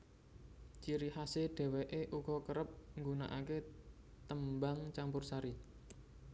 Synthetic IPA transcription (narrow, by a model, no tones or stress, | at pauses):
t͡ʃiɾihaseɖ̥ɛ̤weʔeʔukɔkəɾəp̚ŋɡunaʔake | t̪əmbaŋt͡ʃampʊrsaɾi